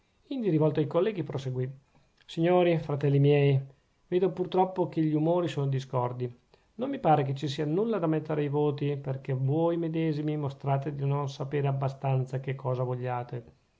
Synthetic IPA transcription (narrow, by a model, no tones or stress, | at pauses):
ind̪iɾivɔlt̪oajkolːɛːɡipɾoseɡwi | siɲːoːɾifɾat̪ɛlːimjɛj | veːd̪opurt̪ɾɔpːokeʎiumoːɾisoːnod̪iskɔrd̪i | nomːipaːɾek̬et͡ʃːisiːanulːad̪amet̪ːeɾeajvoːt̪iperkevojmed̪ɛːzimimost̪ɾaːt̪ed̪inonsapeːɾeabːast̪ant̪sakekʰːɔːzavoʎːaːt̪e